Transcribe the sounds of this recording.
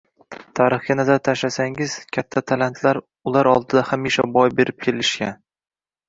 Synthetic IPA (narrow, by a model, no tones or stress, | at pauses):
t̪ʰaɾɨχɡʲanazaɾt̪ʰaʃlasaŋɪz̥kʲʰat̪ʰːat̪ʰalant̪ʰlaɾ | ʊlaɾɒlˠd̪ɪd̪ahamiʃabɒjbe̞ɾɪp̚kʲʰe̞lɪʃkʲan